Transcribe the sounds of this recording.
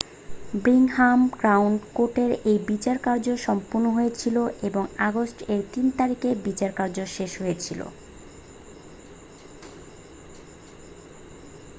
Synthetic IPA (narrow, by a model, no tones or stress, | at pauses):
bɾiŋhamɡɾawɳɖkoʈeɾejbit͡ɕaɾkaɾd͡ʑoʃɔmpuɾnːoɦojet͡ɕʰiloʔeboŋaɡosʈeɾt̪int̪aɾikebit͡ɕaɾkaɾd͡ʑoʃeʃɦoet͡ɕʰilo̰